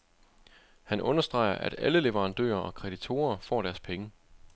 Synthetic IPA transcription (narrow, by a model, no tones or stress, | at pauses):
hænʔɔ̽nɐsd̥ʁɑ̈ɪɐʔæd̥æləle̝ʋəʁɑ̈nd̥ø̰ːɐʔɒ̽kʰʁɛd̥it͡sʰo̝̰ːɐfɒ̰ːɾ̥æɐspʰeŋə